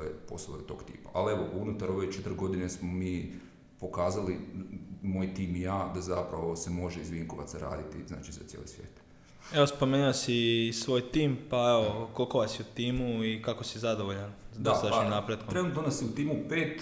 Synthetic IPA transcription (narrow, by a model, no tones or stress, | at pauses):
epo̞̰slo̰ojet̪o̞ːɡt̪ḭːpaʔalieʋoʔunut̪aɾo̞ʋet͡ʃet̪ɾɡo̞d̪inesmomiː | po̞kaːzali | mo̞ːjt̪iːmijaːd̪azapɾaʋosemo̞ʒeizʋiŋko̞ʋa̰t̪saɾa̰ːd̪it̪izna̰ːt͡ʃiza̰t̪jḛːlḭsʋjeːt̪ | e̞o̞spo̞meniosisʋo̞ːjt̪iːmpaeʋokolˠkoʋasjiut̪iːmuikako̞sizad̪oʋoʎan | d̪ot̪aaʃimnapɾed̪̚koɾenut̪nonasiut̪iːmupeːt̪